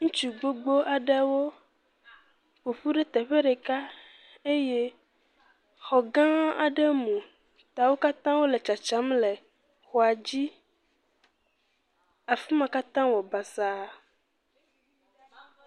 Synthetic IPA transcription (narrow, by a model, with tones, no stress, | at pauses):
ŋũ˦t͡ʃu˨ɡ͡bo˦ɡ͡bo˦ʔa˨ɖe˦wo˦ | ɸo˨ɸu˦ɖe˦t̪ɛ˨ɸe˦ɖe˨ka˦ | e˦je˦ | xɔ˨ɡã˦a̰˨ɖe˦mũ˨ | t̪a˨wo˦ka˦t̪ã˦wo˦le˨t͡ʃa˨t͡ʃa˨˦mle˨ | xɔ˨a˨d͡ʑi˦ | a˨fi˦mã˨ka˦t̪ã˦wɔ˨ba˨sa˨˦˨